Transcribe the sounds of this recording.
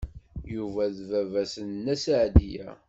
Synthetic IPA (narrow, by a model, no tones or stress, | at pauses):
juvæðvævæsənnːæsʕd̪ijæ̰